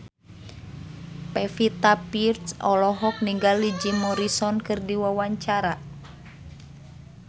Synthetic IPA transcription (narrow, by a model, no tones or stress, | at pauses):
pɛfit̪apirt̪sɔlɔɦɔk̚niŋɡalːid͡ʒimɔɾisɔnkɨrdiwawaɲt͡ʃaɾa